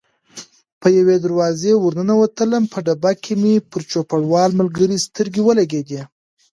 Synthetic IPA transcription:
pəjawed̪aɾwɑzewuɾnənawət̪ələmpʰəɖabakʰemepəɾt͡ʃopaɽwɑlməlɡəɾist̪əɾɡewəlaɡed̪e

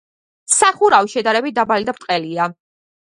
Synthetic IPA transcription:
saχuɾawiʃɛd̪aɾɛbit̪̚ʰd̪abalid̪apʰt̪ʼqʼɛlia

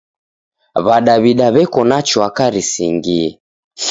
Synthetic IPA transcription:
βaɗaβiɗaβɛkɔnat͡ʃɔakaɾisiŋɡiɛ

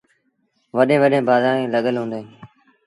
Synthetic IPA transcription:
ʋəɗẽːʋəɗẽːbaːd̪aːɽẽːləɠəlɦũːnd̪ẽː

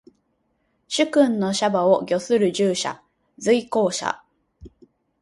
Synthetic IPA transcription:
ɕɨkɯ̟̃nno̞ɕabaoɡʲo̞sɨɾɯ̟ʑɨːɕa̰ | zɨiko̞ːɕa̰

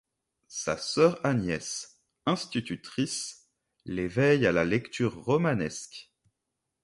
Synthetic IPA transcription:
sa̰sœʁanjɛs | ɛ̃st̪it̪yt̪χis | levɛjalalɛkt̪ʰyːʁːɔmanɛsk

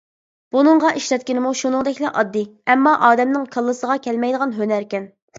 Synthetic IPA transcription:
b̥unɨŋʁɑʔiʃɾɛt̪̚kʲinɪmuʃunɨŋd̪ɛkʲlɛʔɑd̪ːɨɛmːɑʔɑːd̪ɛmnɪŋkʰəlˠːɨsəʁɑkʲʰɛlmɛjd̪əʁɑnɦønæɾkʲɛn

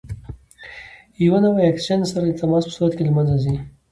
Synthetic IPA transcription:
jwanawaeksansaɾat̪amɑspə̥suɾat̪kelmanzazi

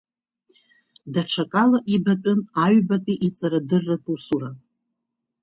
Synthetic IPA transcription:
daʈ͡ʂʰakʼalaʔibatʲʼʊnaɥbapʲʼiʔit͡sʼaɾadɨrːatʼusuɾa

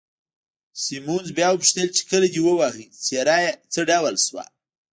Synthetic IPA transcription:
simunzbjɑwəpʃt̪əlt͡ʃe̥kəlad̪iwəwaɦit͡seɾɑjt͡səɖawalswa̰

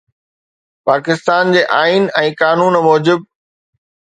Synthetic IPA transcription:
paːkɪst̪aːnd͡ʑeːʔaːiːnɛ̃ːkaːnuːnmɔːd͡ʑɪb̚

